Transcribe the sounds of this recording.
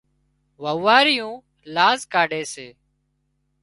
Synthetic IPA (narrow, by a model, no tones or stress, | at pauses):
ʋəʋaːɾɪjũː | laːzkaːɖeːseː